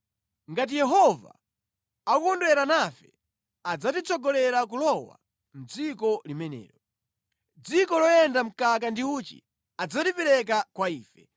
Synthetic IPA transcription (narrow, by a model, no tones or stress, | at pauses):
ŋɡat̬ijɛɦɔva̰ | akukɔndwɛɾanafɛ̰ | ad͡zatit͡sʰɔɡɔlɛɾakulɔwa̰ | n̩d͡zikɔlimɛnɛ̰ːɾɔ | d͡zikɔlɔjɛndam̩kakandiuːt͡ʃḭ | ad͡zatipɛɾɛk̬akwaiːfɛ